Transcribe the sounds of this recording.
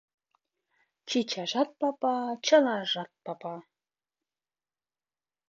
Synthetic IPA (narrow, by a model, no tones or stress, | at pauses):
t͡ɕit͡ɕɑʒɑt̪̚pɑpɑt͡ɕə̆lɑʒɑt̪̚pɑpɑ